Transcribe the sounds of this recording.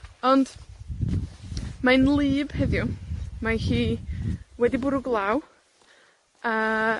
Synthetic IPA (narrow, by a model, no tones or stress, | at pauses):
ɔnd̥ | maɨnlˠɨːb̥hɛðjɔmahiː | wɛdibʊɾʊɡlˠaːw | a